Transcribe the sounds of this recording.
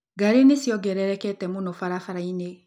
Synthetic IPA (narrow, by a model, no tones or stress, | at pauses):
ɡaɾenisiɔɡɛɾɛɾɛkɛtɛmunofaɾafaɾaine